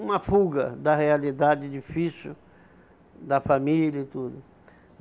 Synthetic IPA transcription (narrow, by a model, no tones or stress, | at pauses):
ũmɐfuɡɐd̪ɐhealid̪ad͡ʒɪd͡ʒifisu | d̪ɐfamilɐit̪ud̪ʊ